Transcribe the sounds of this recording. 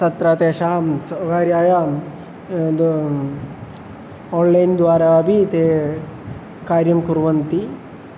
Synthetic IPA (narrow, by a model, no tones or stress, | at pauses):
t̪ɐt̪ɾaːt̪eːʂaːmɐʋaːɾjaːjaː | d̪ | oːnlɐjnd̪ʋaːɾɐɐbʱit̪eː | kaːɾjɐmkuɾʋɐnt̪i